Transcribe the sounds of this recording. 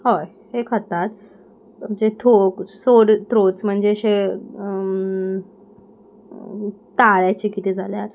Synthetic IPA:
hoj | hekʰət̪at̪ | d͡ʑet̪ʰoksoɽt̪ɾot͡sm̤əɳd͡zeɕe | t̪aɭjat͡ɕikit̪ed͡zʱaljaɾ

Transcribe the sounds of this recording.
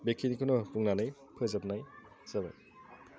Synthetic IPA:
bekʰinikʰɯnɔpuŋnanɯj | pʰɯzap̚naj | zaba̰j

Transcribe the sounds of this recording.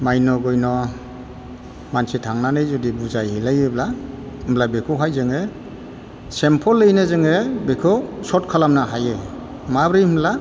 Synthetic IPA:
majnɔɡɔjnɔ | mansitʰaŋnanɯjzɔdibuzajhilajebla | mblabekʰɔwɦajzɯŋe | sempʰɔlːɯjnɯzɯŋebekʰɯsɔt̚kʰalamnaɦaje | mabɾɯjmla

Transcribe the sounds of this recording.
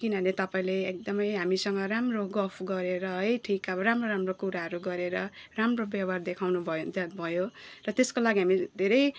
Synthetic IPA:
kinʌnet̪ʌpaĩleek̚d̪ʌmʌjɦamisʌŋɡʌɾamroɡʌpʰɡʌɾeɾʌɦʌjʈʰikaɾamroɾamrokuɾaɦʌɾuɡʌɾeɾʌramrobjabard̪ekʰawnubʱʌod͡zabʱʌjorʌt̪eskolaɡiɦamid̪ʱeɾʌj

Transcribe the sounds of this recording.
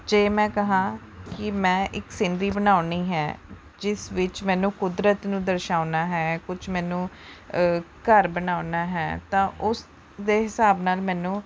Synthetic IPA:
d͡ʒeːmɛ̃ːkəɦãː | kɪmɛ̃ːʔɪksɪnɖɾiːbənaːʊniːɦɛ̰ː | d͡ʒɪsʋɪt͡ʃmɛ̃ːnũːkʊd̪ɾət̪nũːd̪əɾʃaːʊnaːɦɛːkʊt͡ʃʰmɛːnũː | kəɾbənaːʊnaːɦɛːt̪ãːʔʊs | d̪eːɦɪsaːbnaːlmɛ̃ːnũː

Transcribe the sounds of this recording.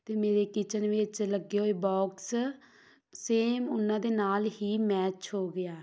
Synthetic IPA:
t̪eːmeːɾeːkit͡ʃənʋɪt͡ʃləɡːeːɦoːeːbɔːks | seːmʊnːãːd̪eːnaːlɦiːmɛːt͡ʃɦoːɡɪjaː

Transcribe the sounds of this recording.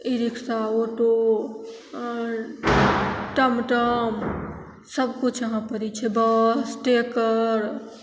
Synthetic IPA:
iɾiksaoʈo | ʈəmʈəm | səbkut͡ʃʰəɦãpəɾit͡ʃʰɛbəsʈekəɾ

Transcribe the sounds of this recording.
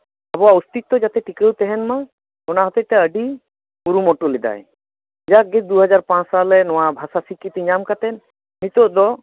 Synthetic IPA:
abɔaust̪it̪ːɔd͡ʒat̪ɛʈikəwt̪ɛɦɛnma | ɔnaɦɔt̪eʈɛəɖi | buɾumɔʈulid̪a̰j | d͡ʒaɡed̪uɦɔd͡ʒaɾpãt͡ʃsalɛnɔwabʱasasikːit̪iɲamkat̪ɛn | mit̪ɔʔd̪ɔ

